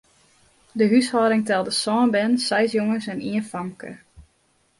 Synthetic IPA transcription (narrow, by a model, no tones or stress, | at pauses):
dəɦyshɔːɾɪŋtɛlˠdəsɔːnbɛnsɛjsjoŋəsɛniənfɑŋkə̰